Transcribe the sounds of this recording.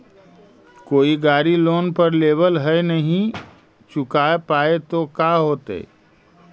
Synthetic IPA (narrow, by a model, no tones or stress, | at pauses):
koːiɡaːɾiloːnpəɾleːbəlɦɛenəɦĩ | t͡ʃʊkaːepaːet̪okaːɦoːt̪ḛː